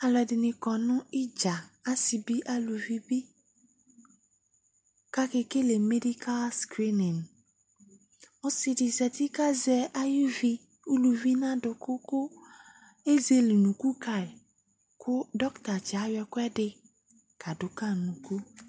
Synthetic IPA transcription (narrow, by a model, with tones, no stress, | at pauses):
a˨lɔ˨dɪ˨nɪ̃˨kɔ˨nʊ̃˦ɪ˦d͡ʒa˨a˦si˨bi˦ʔa˦lu˨vi˦bi˦ | ka˦kɪ˦ke˦le˨me˦di˦ka˦lskɾi˦nɪ̃˨ŋ˨ | ʊ˨sɪ˨dɪ˨zɛ˨t̪i˦ka˦zɛ˨a˦ju˦vi˦ | u˦lu˨vi˦nã˦dʊ˨kʊ˦kʊ˦ | e˦ze˨li˨nũ˨ku˦ka˨ɪ˨ | kʰʊ˦dɔ˦kt̪a˨t͡ʃa˨˦jɛ˨kʊ˦ɛ˦dɪ˦ | ka˨dʊ˨ka˦nũ˨ku˦